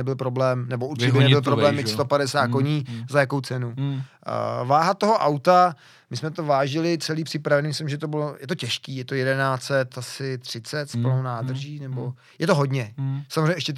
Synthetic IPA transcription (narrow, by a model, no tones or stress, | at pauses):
ɛbɪlpɾo̞blɛːmnɛbouɾt͡ʃɪnɛbɪlpɾoblɛːmɪst̪opadɛsaːt̪̚koɲiːzajakowt͡sɛnu | vaːɦat̪ːoɦoʔawt̪a | mɪsmɛt̪ovaːʒɪlɪt͡sɛliːpr̥ɪpɾavɛniːmɪslɪmʒɛt̪o̞bɪlojɛt̪ocɛʃkiːjɛt̪o̞jɛdɛnaːt͡sɛt̪asɪt̪r̝̥ɪt͡sɛt̪sploɦwnaːd̪r̩ʒiːnɛbo | jɛt̪oɦodɲɛsamozreɲɛʔɛʃcɛ